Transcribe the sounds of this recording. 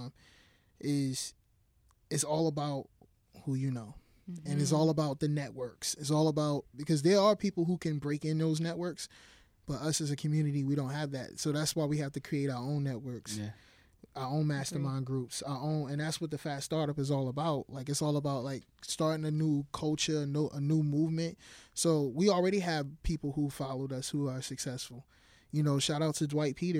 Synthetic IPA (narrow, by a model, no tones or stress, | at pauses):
m | ʔɪz̥ | ɨtsɔlˠəbaʊt̚ | hujɨnoʊ | ɨ̃nɨtsɔlˠəbaʊt̪̚ðɨnɛʔwɜ˞ksɨtsɔlˠəbaʊt̚b̥ɨkʰʌzðə˞əpʰipl̩ˠɦhukʰɨ̃nbɹeɪkɪ̃nðoʊznɛʔ̚wɜ˞ks | b̥ʌɾʌsɨzɨkʰmjʉnɨɾiwiɾõʊ̃n̚tɦɨvðæ̰t̚soʊðætswaɪwihæftɨkʰɹ̥ieɪɾaʊə˞õʊ̃nːɛt̚wɜ˞ks | aʊə˞õʊ̃nmæstə˞mãɪ̃nɡɹupsaʊə˞ʔõʊ̃nɨ̃nðætswʌt̪̚ðɨfæstɑɹɾʌpɨzɔlˠəbaʊt̚laɪkɨtsɔlˠəbaʊt̚laɪk̚stɑɹɾɪ̃ŋɨnukʰʌlˠt͡ʃə˞ɨnoʊʔənumuvmɨ̃nt̚soʊwil̩ˠɹɛɾiɨv̥pʰipl̩ˠhufɑlˠoʊɾʌshuə˞sɨksɛsfl̩ˠ | jɨnoʊʃaɾaʊtʰɨdwaɪt̚pʰiɾə